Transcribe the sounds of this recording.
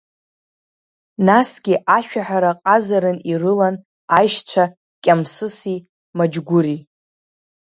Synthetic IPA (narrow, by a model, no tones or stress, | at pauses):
nasɡʲiʔaʃᶣaħaɾaqʼazaɾɨnirɨlan | ajʃt͡ɕʷʰa | kʲʼamsɨsi | mad͡ʒɡʷʊɾi